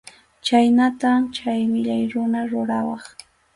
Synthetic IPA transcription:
t͡ʃajnat̪at͡ʃajmɪʎajɾʊnaɾʊɾawɑχ

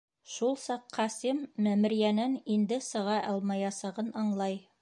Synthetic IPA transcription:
ʃulˠsɑqʰːɑsimːæmɘ̆ɾjænænind̪ɘsɤ̆ʁɑʔɑlˠmɑjɑsɑʁɤnɑɴlˠɑj

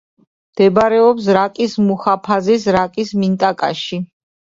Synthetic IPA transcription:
md̪̥ɛbɾɛɔpsɾakʼismuχapʰazisɾakʼismint̪ʼakʼa̰ʃi

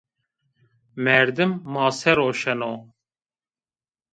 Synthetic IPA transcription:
mɛɾd̪ɨmːɑːsɛɾoːʃɛnoː

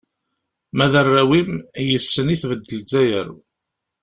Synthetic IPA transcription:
mæðərːæwimjəsːəniθvəd̪ːəlzæjə̰ɾ

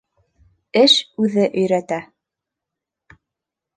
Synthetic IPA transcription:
ɘʃʉðɘʔɵ̆jɾæt̪æ

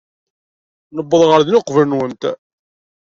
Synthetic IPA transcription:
nəbːəðˤʁəɾðnʊqvəlnwənt̪

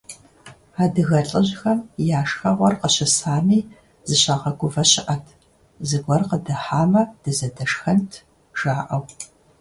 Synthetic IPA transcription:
aːdɨɣɐɬʼɨʑxɐmjaːʂxɐʁʷɔrqəɕɪsaːmiː | z̥ɨɕaːqɐɡʷʊvɐɕɪʔɐtʰ | zɨɡʷɔrqədɨħaːmɐd̥ɨzɐdɐʂxɐntʰ | ʒ̥aːʔɐw

